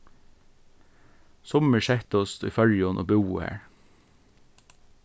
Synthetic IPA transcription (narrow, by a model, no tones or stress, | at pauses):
sɔməɹʃɛht̪ɔst̪ḭːfœɹjɔnʔo̰ːbʉːʊ̰hæ̰ːɹ